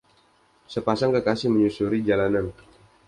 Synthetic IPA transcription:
səpasaŋkəkasɪhməɲusuɾid͡ʒalanan

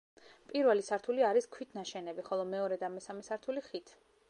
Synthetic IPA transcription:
pʼiɾvɛlisaɾt̪ʰuliaɾiskʰwit̪ʰnaʃɛnɛbiχɔlˠɔmɛɔɾɛd̪amɛsamɛsaɾt̪ʰuliχit̪ʰ

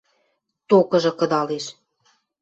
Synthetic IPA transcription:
t̪okɤ̆ʒɤ̆kɤ̆d̪ɑleʃ

